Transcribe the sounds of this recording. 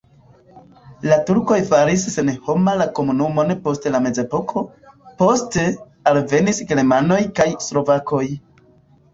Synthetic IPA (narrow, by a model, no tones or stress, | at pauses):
latuɾko̞jfaɾisːe̞nho̞malako̞munumo̞nepo̞stelame̞ze̞po̞kʰo̞ | po̞ste̞ | alve̞nisɡelmano̞jkajslo̞vakʰo̞j